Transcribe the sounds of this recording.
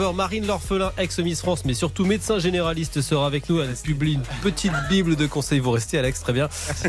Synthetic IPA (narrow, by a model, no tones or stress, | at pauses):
œʁmaʁinlɔʁfəlɛ̃ʔɛksəmisfχɑ̃smɛsyʁt̪umet̪sɛ̃ʒeneʁalist̪səʁaːvɛknuapybliynpət̪ʰit̪bibld̪əkɔ̃sɛjvuʁɛst̪ealɛkst̪χɛbjɛ̃